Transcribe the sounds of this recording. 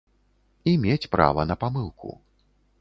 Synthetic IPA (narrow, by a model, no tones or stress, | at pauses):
imʲet͡sʲpɾa̰vɐnɐpamɨlˠkṵ